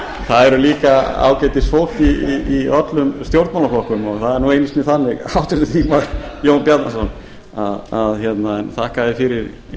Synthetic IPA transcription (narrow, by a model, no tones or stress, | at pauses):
θaðɛɾʏliːkaa̰ːwcajt̪ɪsfowl̥t̪iːœt̪lʏmst̪jowɾt̪mawlaflɔhkʏmɔɣθaðɛɾnuejnɪst̪mɪθanːɪɣawt̪ɾɪt̪ʏt̪ʰiːmaɾjownpjaɾt̪nasɔn | aðaðçjɛt̪naɛnt̪ʰahkaðɪfɪɾɪɾ